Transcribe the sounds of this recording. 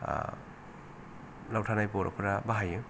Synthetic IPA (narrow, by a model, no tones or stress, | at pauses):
lawtʰanajpɔɾɔ̰pʰɯɾabaɦajɯ